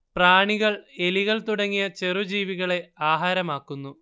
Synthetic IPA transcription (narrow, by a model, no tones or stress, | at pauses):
praːɳiɣɐɭe̞liɣɐɭt̪uɽɐŋːijɐt͡ɕe̞rud͡ʑiːʋiɣɐɭe̞aːɦaːɾɐmaːkːunːu